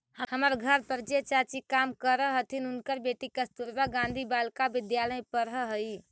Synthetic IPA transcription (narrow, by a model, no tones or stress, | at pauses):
həhəməɾɡʱəɾpəɾd͡ʒet͡ʃat͡ʃikamkəɾəɦət̪ʰinunkəɾbeʈikəst̪uɾbaɡãnd̪ʱibalkabɪd̪jaləjpəɾɦəɦəj